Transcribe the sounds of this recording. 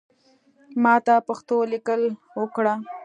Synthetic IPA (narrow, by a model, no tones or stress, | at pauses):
mɑt̪apaxt̪olikəl | wəkɽa